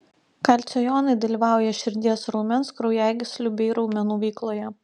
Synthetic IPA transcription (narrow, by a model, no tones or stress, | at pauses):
kɐlʲt̪sʲɛjɔːnɐɪd̪ɐlʲiːʋɑˑʊjɛʃʲɪɾʲd̪ʲiɛsɾɔʊmʲɛnskɾɔʊjæˑɪɡʲɪsʲlʲʊbʲɛɪɾɐʊmʲɛnuːʋʲɛɪklˠoːjɛ